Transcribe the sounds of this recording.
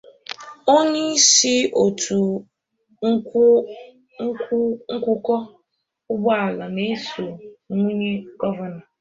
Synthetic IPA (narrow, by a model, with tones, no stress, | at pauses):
o˦ɲe˦si˦o˨tʰu˨ | ŋ̩˦ | ŋ̩˦kʷʊ˦kɔ˦ | ʊ˦ɡ͡ba˨la˨ne˦so˨˦ŋʷu˦ɲe˦ɡɔ˦va˨na˨